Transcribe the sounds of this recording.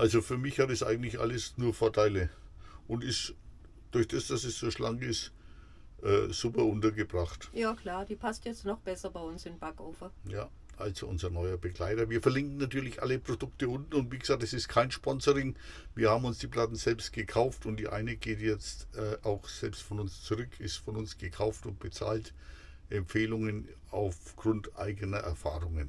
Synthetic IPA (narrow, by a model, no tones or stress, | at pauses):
ʔalzofyːɐmɪçhatɛsʔa̰ɪɡŋ̩tlɪçʔa̰ləsnuːɐfɔɐtʰaɪləʔʊntɪst | d̥ʊɐçd̥asd̥asɛsz̥oːʃlaŋkɪst | ʔɛ̰ːz̥upɐʔʊntɐɡəbʁaχtjaːkʰl̥aːɐd̥iːpʰastjɛt͡stnɔχb̥ɛsɐbaɪʊnsɪnb̥akoːfɐjaː | ʔalz̥oʔʊnzɐnɔʏɐbəɡlaɪtɐviːɐfɛɐlɪŋkŋ̩natyːɐlɪçʔa̰ləpʁ̥odʊktəʊntn̩ʊntviːɡəz̥aːk̚tɛsɪstkʰaɪnʃpɔnzəʁɪŋviːɐhaːbm̩ʊnsd̥iːpl̥atn̩zɛlpst̚ɡ̥əkʰaʊftʊntd̥iːʔa̰ɪnəɡeːtjɛt͡stʔɛːʔaʊxz̥ɛlpstfɔnʊnst͡suʁʏkʰɪstfɔnʊnsɡ̥əkʰaʊftʊnt̚b̥ət͡sa̰ːlt | ʔɛmpfeːlʊŋənʔaʊfɡ̥ʁʊntʔa̰ɪɡənɐʔɛ̰ɐfaːʁʊŋən